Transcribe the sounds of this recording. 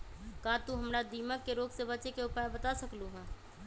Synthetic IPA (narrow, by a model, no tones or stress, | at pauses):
kaːt̪ũɦəmɾad̪iːməkːeɾoːɡsebəːt͡ʃekeʊpajbət̪asəkluɦɛ̃ː